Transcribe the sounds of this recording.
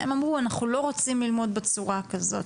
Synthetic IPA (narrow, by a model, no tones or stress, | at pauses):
e̞mamʁuanaχulo̞ʁot͡simlilmo̞dbet͡suʁakazo̞t